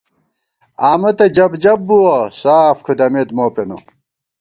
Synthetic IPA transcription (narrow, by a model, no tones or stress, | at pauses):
aːmɐt̪ɐd͡ʑɐbd͡ʑɐbːuwɐsaːfkʰud̪ɐmed̪moːpeno̰